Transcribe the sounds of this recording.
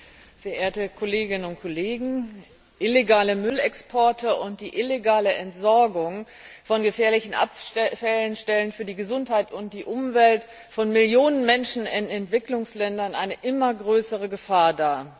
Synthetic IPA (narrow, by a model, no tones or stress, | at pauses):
fɛɐʔeːɐtəkʰoleːɡɪnənʊnt̚kʰoleːɡŋ̩ | ʔɪleɡaːləmʏlɛkspʰɔɐtəʊnt̚d̥iːʔɪleɡaːləʔɛntz̥ɔɐɡʊŋfɔnɡəfɛːɐlɪçn̩ʔa̰pfɛlənʃtɛlənfyːɐdiːɡəzʊnthaɪtʊnt̚d̥iːʔʊmvɛlt | fɔnmɪljoːnənmɛnʃn̩ɪnɛntv̥ɪklʊŋslɛndɐnʔaɪnəʔɪmɐɡʁøːsəʁ̞əɡəfaːɐdaː